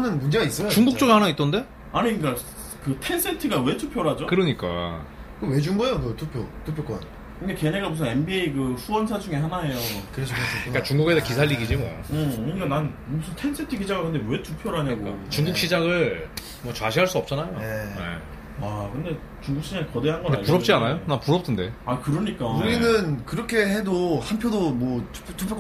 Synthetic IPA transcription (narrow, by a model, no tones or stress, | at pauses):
anɯnmund͡ʑeɡais͈ɯat͡ɕuŋɡukt͡ɕ͈oɡɯhanait͈ʌnde̞ | aɲik͈a | kɯtʰe̞ns͈ʰe̞ntʰɯɡawe̞tʰupʰjoɾɦad͡ʑokɯɾʌɲik͈a̰kɯwe̞d͡ʑuŋɡuejonotʰupʰjotʰopʰjok͈o | kɯnɡeke̞ɲeɡamus̬ʰɯne̞nbieikɯsuwʌnsʰad͡ʑuŋehanae̞jokɯɾet͡ɕʰk͈at͡ɕuŋɡuɡesekisʰaʎːiɡid͡ʑimʌ̰ɯɯɲik͈ananmusʰɯntʰensʰetʰiɡid͡ʑaɡɯkɯnde̞we̞tʰupʰjoɾaɲaɡoat͡ɕuŋɡuk̚ɕ͈id͡ʑaɡɯɭ | mwʌt͡ɕwaɕʰiɦaɭs͈uʌp̚t͡ɕ͈anajoejḛ | akɯnde̞ | t͡ɕuŋɡukɕ͈id͡ʑaɡikʌdeɦanɡʌndapuɾʌpt͡ɕ͈ianajonapuɾʌp̚t͈ʰɯnde̞akɯɾʌɲik͈auɾinɯnkɯɾʌkʰe̞he̞dohanpʰjodomwʌtʰu̥pʰotʰupʰo